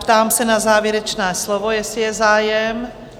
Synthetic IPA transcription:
pt̪aːmsɛnazaːvjɛɾɛt͡ʃnɛːslovojɛsɪjɛzaːjɛm

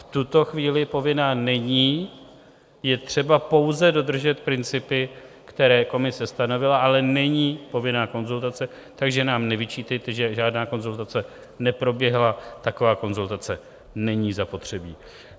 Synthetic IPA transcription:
ft̪ut̪o̞xviːlɪpo̞vɪnaːnɛɲiː | jɛt̪r̝̥ɛbapo̞wzɛdo̞d̪r̩ʒɛt̪pɾɪnt͡sɪpɪ | kt̪ɛɾɛːko̞mɪsɛst̪ano̞vɪlaʔalɛnɛɲiːpo̞vɪnaːko̞nzult̪at͡sɛ | t̪aɡʒɛnaːmnɛvɪt͡ʃiːt̪ɛjt̪ɛʒɛʒaːdnaːko̞nzult̪at͡sɛ | nɛpɾo̞bjɛɦlat̪ako̞vaːko̞nzult̪at͡sɛ | nɛɲiːzapo̞t̪r̝̥ɛbiː

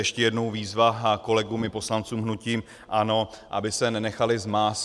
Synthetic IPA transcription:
jɛʃcɛjɛdnowviːzvako̞lɛɡumɪpo̞slant͡suːmɦnuciːm | ʔano̞ʔa̰bɪsɛnɛnɛxalɪzmaːs

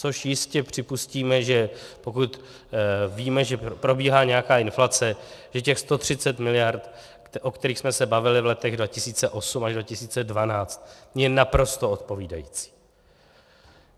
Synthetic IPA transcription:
t͡so̞ʃjɪscɛpr̝̥ɪpusciːmɛʒɛpo̞kut̪ | viːmɛʒɛpɾo̞biːɦaːɲɛjakaːɪnflat͡sɛʒ̥ɛcɛxst̪o̞t̪r̝̥ɪt͡sɛt̪mɪlɪjaɾt̪ | ʔokt̪ɛɾiːxsmɛsɛbavɪlɪvlɛt̪ɛɣdvacɪsiːt͡sɛʔo̞sumaʒdvacɪsiːt͡sɛdvanaːt͡st̪̚jɛnapɾo̞st̪o̞ot̪̚po̞viːdajḭːt͡si̥ː

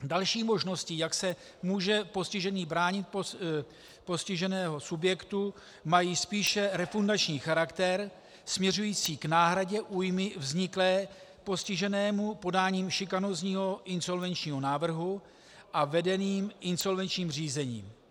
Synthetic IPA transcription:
dalʃiːmo̞ʒno̞scɪjaksɛ | muːʒɛpo̞scɪʒɛniːbɾaːɲɪt̪̚p | po̞scɪʒɛnɛːɦo̞subjɛkt̪u | majiːspiːʃɛɾɛfundat͡ʃɲiːxaɾakt̪ɛɾ | smɲɛrujiːt͡siːknaːɦɾaɟɛʔuːjmɪvzɲɪklɛːpo̞scɪʒɛnɛːmupo̞daːɲiːmʃɪkanozɲiːɦo̞ʔɪnso̞lvɛnt͡ʃɲiːɦo̞naːvr̩ɦu | ʔavɛdɛniːmʔɪnso̞lvɛnt͡ʃɲiːmr̝iːzɛɲḭːm

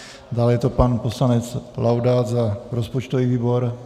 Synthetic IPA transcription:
daːlɛjɛt̪o̞panposlanɛt͡slawdat̪zaɾospot͡ʃt̪oviːviːbo̞ɾ

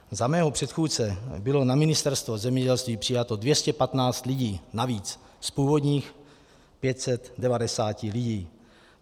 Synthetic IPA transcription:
zamɛːɦopr̥ɛt̪xuːt͡sɛbɪlo̞namɪnɪst̪ɛɾst̪vozɛmɲɛɟɛlst̪viːpr̥ɪjat̪o̞dvjɛscɛpat̪naːt͡st̪lɪɟiːnaviːt͡s | spuːvo̞dɲiːx | pjɛt̪sɛt̪dɛvadɛsaːcɪlɪɟiː

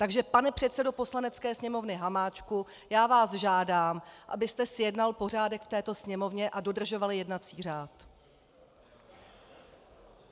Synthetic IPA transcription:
t̪aɡʒɛpanɛpr̝̥ɛt̪sɛdo̞po̞slanɛtt͡skɛːsɲɛmo̞vnɪɦamaːt͡ʃku | jaːvaːsʒaːdaːmʔa̰bɪst̪ɛsɪjɛdnalpo̞r̝aːdɛkft̪ɛːt̪o̞sɲɛmo̞vɲɛʔado̞dr̩ʒo̞valjɛdnat͡siːr̝aːt̪

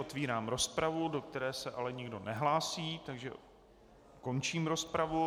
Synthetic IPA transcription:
ot̪viːɾaːmɾo̞spɾavudo̞k̚t̪ɛɾɛːsɛʔalɛɲɪɡdo̞nɛɦlaːsiːt̪aɡʒɛ̰ | ko̞nt͡ʃiːmɾo̞spɾavu

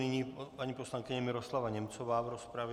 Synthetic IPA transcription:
ɪɲiːpaɲiposlaŋkɪɲɛmɪɾoslavaɲɛmt͡sovaːvɾospɾavɛ

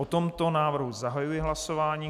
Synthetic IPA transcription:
ot̪o̞mt̪o̞naːvr̩ɦuzaɦajujɛɦlaso̞vaːɲiː

